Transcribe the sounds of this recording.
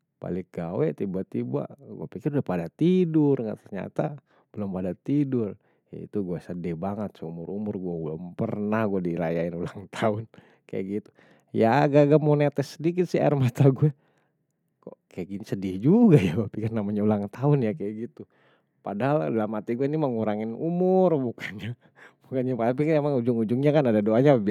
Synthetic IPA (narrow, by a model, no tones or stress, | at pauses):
pa̰lɪk̚ɡawɛt̪ibat̪iba̰ɡṵɛpikɪrudahpadat̪idʊrŋat̪ərɲa̰t̪a | b̥əlʊmpadat̪idʊr | ja̰ḭt̪uɡuɛsədɛbaŋət̪sumʊɾumʊrɡuɛulʊmpərnahɡuɛdiɾajaɪnulaŋt̪ʰaʊn | ka̰ja̰ɡit̪u̥ | jaːɡaɡamonet̪ɛsːədikɪt̪̚sia̰rmat̪aɡuɛ | kɔ̰ʔkajaɡinisədiad͡ʒuɡajabapikɪrnamaɲaulaŋt̪aʊnjakajaɡit̪u | padaɦaldalamat̪iɡuɛiniməŋuɾaŋɪnumʊrbukanɲa | bukanɲapapikanemaŋud͡ʒʊŋud͡ʒʊŋɲakanadadoaɲaəbi